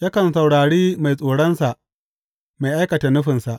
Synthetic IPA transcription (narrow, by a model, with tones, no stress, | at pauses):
jɐ˦kɐ˨nsa˨wɽaː˨ɽiː˦ma˨jsʼoː˨ɽɐ˦nsa˨ʔ | ma˨jʔa˦jkɐ˨ta˨nʊ˦ɸɪ˨nsa˨ʔ